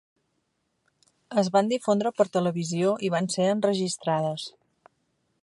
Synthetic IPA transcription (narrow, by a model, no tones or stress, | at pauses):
əzβand̪ifond̪ɾəpəɾt̪ələβizioʔiβ̞anseənrəʒist̪ɾað̞əs